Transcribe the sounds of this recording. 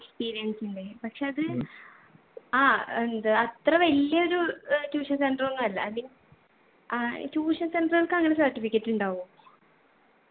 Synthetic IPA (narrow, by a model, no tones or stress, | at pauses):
ekspiːɾijɐnsiɳɖepɐkʂeɐðɨ | aːend̪ɨɐt̪rɐʋɐlijɐo̞ɾutuːʂɐnsenɖronːɐɐlːɐ̰ɐðin | tuːʂɐnsenɖrɣɐlkɐŋːɐɳesɐrʈːifikʲːɐtːuɳɖaːɣu